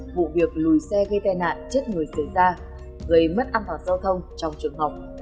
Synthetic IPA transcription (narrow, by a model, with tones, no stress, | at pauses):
vṵ˧˨vi˨˩ək̚lu˨˩jsɛ˧ɣə˧jt̪a˧˩jna̰ː˧˨nt͡ɕə˦˥t̚ŋɨ˨˩əjsə˧˩jzaː˧ | ɣə˨˩jmə˦˥t̚ʔaː˧nt̪waː˨˩nzaː˧wt̪ʰə˧wŋ͡mt͡ɕɔ˧wŋ͡mt͡ɕɨ˨˩əŋɦa˨˩wk͡p̚